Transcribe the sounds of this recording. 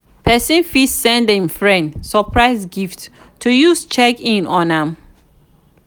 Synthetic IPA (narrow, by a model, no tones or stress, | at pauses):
pʰɛsĩnfissɛ̃ndĩnfɹɛ̃ndsəpʰɹaɪsɡift | tʰːujust͡ʃɛkĩnɔ̃nãm